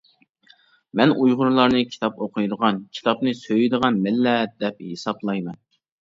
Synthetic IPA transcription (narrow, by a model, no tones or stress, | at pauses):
mɛnujʁʊɾlˠɑɾnɨkʲʰi̥t̪ʰɑpoqʰʊjd̪əʁɑnkʲʰi̥t̪ʰɑpnɨsøjɪd̪əʁɑnmɪlːɛd̪̥ɛp̚hesɑblˠɑjmɛn